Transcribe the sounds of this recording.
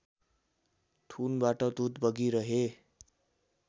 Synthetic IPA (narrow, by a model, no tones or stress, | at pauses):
ʈʰunbaʈʌd̪ud̪bʌɡiɾʌɦe